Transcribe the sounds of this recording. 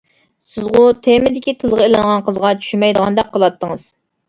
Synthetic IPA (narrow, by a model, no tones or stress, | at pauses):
sɪzʁʊt̪ʰemɪd̪ɪkʲit̪ʰɨlˠʁəelɪnʁɑnqʰəzʁɑt͡ʃʰy̥ʃymɛjd̪əʁɑnd̪ɛqqʰːəlˠɑt̪ʰːəŋəz̥